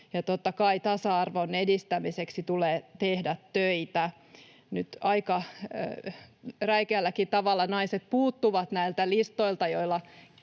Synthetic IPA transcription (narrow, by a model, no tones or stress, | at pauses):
jɑt̪ot̪ːɑkɑit̪ɑsɑɑrʋonedist̪æmiseksit̪uleːt̪ehdæt̪tøit̪æ | nyt̪ɑikɑ | ræikeælːækit̪ɑʋɑlːɑnɑiset̪̚puːt̪ːuʋɑt̪næilt̪ælist̪oilt̪ɑjoilːɑ